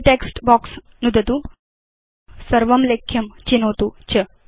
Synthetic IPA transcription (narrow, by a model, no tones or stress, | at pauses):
ʈeːksʈbɔːks | nud̪ʱɐt̪u | sɐɾʋɐmlekʰjɐmt͡ʃinoːt̪ut͡ʃɐ